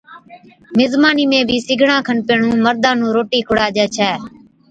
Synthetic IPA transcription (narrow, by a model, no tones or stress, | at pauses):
mɪzmaːniːmẽːbʱiːsɪɡʱɳãːkʰənpeːɳũːməɾd̪ãːnũːɾoːʈiːkʰʊɽaːd͡ʒɛːt͡ʃʰɛː